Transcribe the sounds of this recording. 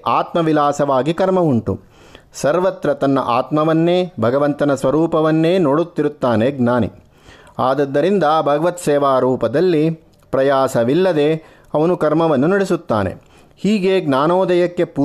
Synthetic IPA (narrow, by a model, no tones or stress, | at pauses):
aːt̪mɐʋilaːsɐʋaːɡikɐɾmɐuɳʈṵ | sɐɾʋɐt̪ɾɐt̪ɐnːɐ̰ʔaːt̪mɐʋɐnːeːbʱɐɡɐʋɐnt̪ɐnɐsʋɐɾuːpɐʋɐnːe̞ːnoːɽut̪ːiɾut̪ːaːneɡnaːnḭ | aːd̪ɐd̪ːɐɾind̪ɐbʱɐɡɐʋɐt̪sɛːʋaːɾuːpɐd̪ɐlːi | pɾɐjaːsɐʋilːɐd̪e̞ | ɐʋɐnukɐɾmɐʋɐnːunɐɽesut̪ːa̰ːnḛ | hiːɡeːɡnaːnoːd̪ɐjɐkːe̞pu